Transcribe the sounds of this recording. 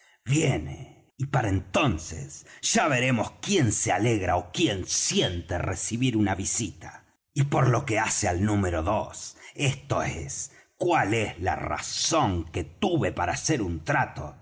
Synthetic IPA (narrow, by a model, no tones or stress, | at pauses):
βjenḛ | ipaɾaent̪o̞nsḛsʒ̥aβe̞ɾe̞mo̞skje̞nsealeɣɾaokje̞nsje̞nt̪eresiβiɾunaβisit̪a | ipo̞ɾlo̞ke̞asealnumeɾo̞ðosest̪o̞ḛs | kwale̞zla̰ra̰soŋke̞t̪uβe̞paɾaːse̞ɾunt̪ɾat̪o̞̰